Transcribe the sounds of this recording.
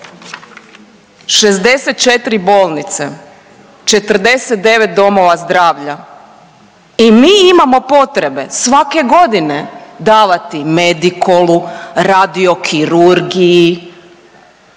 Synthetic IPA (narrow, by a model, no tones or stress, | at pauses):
ʃe̞zd̪e̞set̪̚t͡ʃet̪ɾibo̞ːlˠnit̪se | t͡ʃe̞t̪rd̪e̞set̪̚d̪e̞ʋet̪̚d̪o̞mo̞ʋazd̪ɾaːʋʎa | imiːimamo̞po̞t̪ɾebe̞sʋake̞ɡo̞d̪ined̪aːʋat̪ime̞d̪ikoluɾad̪io̞kʰiɾuɾɡiji